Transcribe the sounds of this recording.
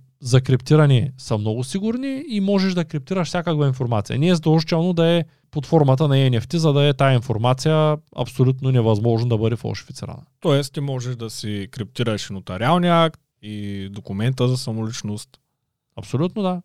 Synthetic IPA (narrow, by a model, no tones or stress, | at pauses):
zɐkɾipt̪iɾɐniɛsɐmnɔɡʊsiɡʊɾniːmɔʒɛʒd̪ɐkɾip̚t̪iɾɐʃfsʲjakəkvainfoɾmat̪sijɐ̰nɛzd̪oʒt͡ʃɛlˠnod̪ɐɛ | pot̪fɔɾmɐt̪̬ənɐɛnɛft̪izɐd̪ɐɛt̪ajɐinfoɾmat̪sijəɐ̰psolʲut̪nonɛvɐzmɔʒnəd̪ɐbɤd̪ɛfɐ̰lˠʃi̥fi̥t̪sḭɾɐ̰nə̰t̪ɔɛst̪t̪imɔʒɛʒd̪ɐsikɾip̚t̪iɾɐʃnot̪ɐɾʲialˠnijəakt̪ | id̪okʊmɛnt̪əzɐsɐmʊlit͡ʃnost̪ | ɐpsolʲut̪nod̪a